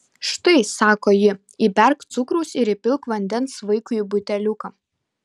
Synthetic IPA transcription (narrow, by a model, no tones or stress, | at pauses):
ʃt̪ɐɪsɑːkoːjɪ | ibʲɛɾkt̪sʊkɾɐʊsɪɾɪpʲɪlˠkʋɐnʲd̪ʲɛnsʋɐɪkʊibʊt̪ʲɛlʲʊkɐ